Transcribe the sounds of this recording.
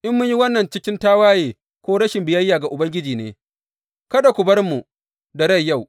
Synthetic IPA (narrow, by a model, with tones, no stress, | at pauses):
ʔɪ˦mːʊ˦ɲji˦wɐ˦nːɐ˨nt͡ʃɪ˦kʲɪ˦ntaː˦waː˦jeː˨ | kʷoː˦ɽɐ˦ʃɪ˨mbɪ˨jɐ˦jːaː˨ɡa˨ʔʊ˨bɐ˦ŋɡʲɪ˦d͡ʒiː˨neː˦ | kɐ˦da˨kʷʊ˨bɐ˦rmu˨ | da˨ɽɐ˦˨jːa˦˨w